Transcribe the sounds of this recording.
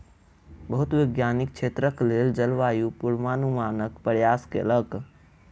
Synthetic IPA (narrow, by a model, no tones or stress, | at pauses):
bəɦut̪weɡjanik̚t͡ʃʰet̪ɾəkleld͡ʒəlʋaːjupuɾmanumanəkpɾəjaskḛlək